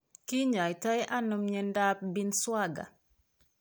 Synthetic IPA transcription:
ki˦ɲa˨jta˦jʔa˦no˨mɲe˨nda˦p̚bi˦nswa˦ɡa̰˨

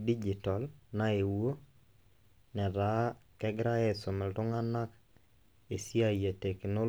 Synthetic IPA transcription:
di˦d͡ʒi˨tɔ˨lna˦e˨wo˦ | nɛ˨ɾa˨˦kɛ˦ɡɾa˦ɛ˦so˨mɛ˨ltʊ˦ŋa˦na˦k | e˨si˦a˦je˨te˨kɪ˨no˦

